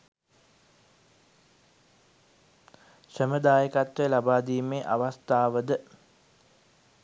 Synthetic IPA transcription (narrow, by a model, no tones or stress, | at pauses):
səməd̪aːjəkat̪ʋəlabaːd̪iːmeʔaʋast̪aːʋəd̪ə